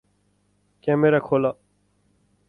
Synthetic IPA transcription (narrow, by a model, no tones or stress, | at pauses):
kɛ̃ːmeɾakʰoːlaː